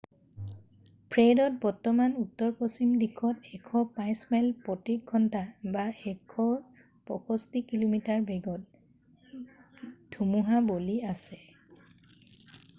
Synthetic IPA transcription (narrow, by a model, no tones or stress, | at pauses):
pʰɹedɔt̚bɔɹtɔmanutːɔɹposimdikʰɔtɛkʰɔpãjsmɛlpɔtiɡʱɔntabaɛkʰɔ | pɔkʰɔstikilomitaɹbɛɡɔt̚ | dʱumuɦaboliasɛ